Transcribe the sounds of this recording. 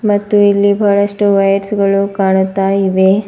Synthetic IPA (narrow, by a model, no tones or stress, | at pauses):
mɐt̪ːuilːibʱɐɭɐʂʈuʋɐjɐɾsɡɐɭukaːɳut̪ːaːjiʋe